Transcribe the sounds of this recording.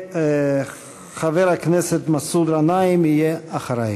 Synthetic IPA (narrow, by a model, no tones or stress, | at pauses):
χaveɾaknɛset̪masud̪ɾanaimijeaχaɾaj